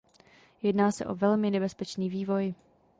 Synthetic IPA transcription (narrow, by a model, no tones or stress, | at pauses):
jɛdnaːsɛ̰ʔo̞vɛlmɪnɛbɛspɛt͡ʃniːviːvo̞j